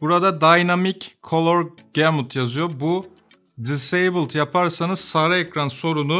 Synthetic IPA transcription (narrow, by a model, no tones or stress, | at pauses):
b̥uɾad̪ad̪ajnamickʰːo̞lˠoɾɟ̥ɛmult̪ʰjazɯjo̞bu | d̪isejbɯlˠt̪ʰjapʰaɾsanɯz̥saɾaekɾanso̞ɾunu